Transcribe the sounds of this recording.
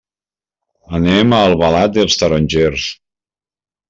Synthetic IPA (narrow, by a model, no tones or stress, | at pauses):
ənemaːlˠβalat̪̚d̪elˠst̪əɾonʲʒeɾs